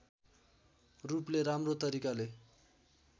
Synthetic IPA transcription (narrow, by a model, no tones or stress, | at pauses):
rupleɾamrot̪ʌɾikale